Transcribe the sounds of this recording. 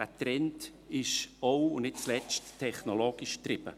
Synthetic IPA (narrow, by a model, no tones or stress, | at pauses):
ɛtɾɛnt | ɪʃowʊnnɪt̚t͡slɛt͡sttʰːɛχnoloːɡɪʃt̪rɪb̥ə̰